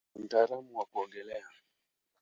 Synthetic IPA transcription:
m̩taːlamuwakuɔŋɡɛlɛa

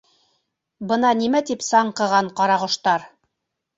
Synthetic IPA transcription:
bɤ̆nɑnimæt̪ipsɑɴqɤ̆ʁɑɴqɑɾɑʁŏʃt̪ɑɾ

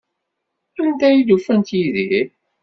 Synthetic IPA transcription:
ænd̪æjilufænt̪jiði

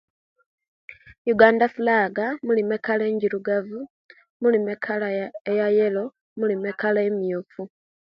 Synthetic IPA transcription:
juɡaːndafulaːɡamulime̞kaleːɲɟiɾuɡavu | mulimekʰalaejajelo̞ | mulimekalaemiofu

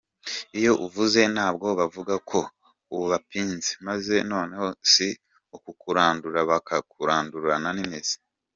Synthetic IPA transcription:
ijo̞ʔuvuze̞naːb̚ɡo̞βavuɡakʰo̞ | uβuβapiːnzimaze̞no̞ːne̞hosi | ukukuɾaːnduɾaβakakuɾaːnduɾananimez̥i̥

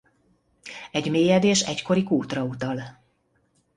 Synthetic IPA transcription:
ɛɟmeːjɛd̪eːʃɛcko̞ɾikuːt̪rɒut̪ɒl

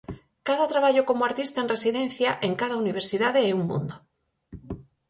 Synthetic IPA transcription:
kaðat̪ɾaβaʎokomoaɾt̪ist̪aenresiðẽnθjaʔeŋkað̞auniβ̞eɾsiðaðeeuŋmṵ̃nd̪o

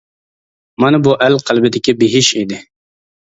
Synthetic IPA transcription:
mɑnɨbuʔælqʰælbɪd̪ɪkʲibɪɦɪʃid̪ɪ

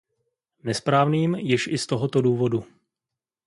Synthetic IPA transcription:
nɛspɾaːvniːmjɪʃɪst̪oɦot̪o̞duːvo̞du

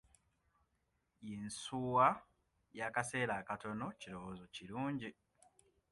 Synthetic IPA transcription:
insuwa | jakase̞ːɾakato̞nociɾo̞wozo̞ciɾuːɲɟi

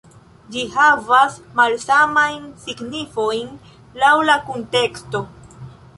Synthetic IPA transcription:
d͡ʒihavasmalsamajnsiɡnifo̞jn | lawlakonte̞ksto̞

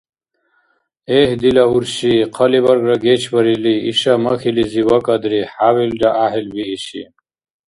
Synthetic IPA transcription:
eːhd̪ilɐuɾɕiqʰɐlibɐɾɡɾɐɡet͡ɕʰbɐɾiliiɕamɐxiliziwɐkɐd̪ɾihaːwildaʔaɦilbiːɕḭ

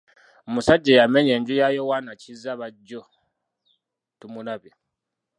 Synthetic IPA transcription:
musaɟːejameɲeɲɟijajowanacizaβaɟːo | tumunaβji

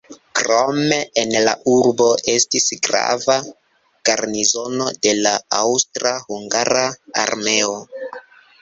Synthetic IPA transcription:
kɾo̞me̞enla̰ʔuɾbo̞ʔe̞stisɡɾa̰va | ɡ̥aɾnizo̞no̞de̞laawstɾahuŋɡaɾaa̰ɾme̞o̞

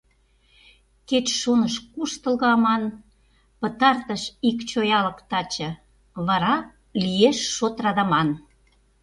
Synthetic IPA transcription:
ket͡ɕʃonəʃkuʃt̪ə̆lɣɤɑmɑn | pə̆t̪ɑrt̪əʃikt͡ɕojɑlə̆kt̪ɑt͡ɕə̆ | βɑɾɑ | lieʃːot̪rɑd̪ɑmɑn

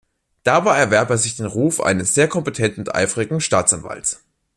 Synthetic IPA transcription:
d̥aːbaɪɛɐvɛɐpɛzɪçd̥eːnʁuːfʔa̰ɪnəsz̥eːɐkʰɔmpetʰɛntn̩ʊntʔa̰ɪfʁɪɡŋ̩ʃtaːt͡sanva̰lts

